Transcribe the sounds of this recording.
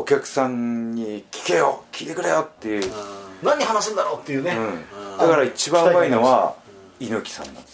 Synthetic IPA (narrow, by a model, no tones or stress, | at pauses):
okʲakɯ̟̥sãɲɲikʲi̥kejokʲʰiːt̪e̞kɯ̟ɾejot̪ːe̞jɯ̟naɲ̟ihanas̬ɨ̃nd̪aɾot̪ːe̞jɯ̟ːneɯ̃d̪akaɾait͡ɕibãmaino̞βa | inokʲi̥sã̰nːa̰nd̪es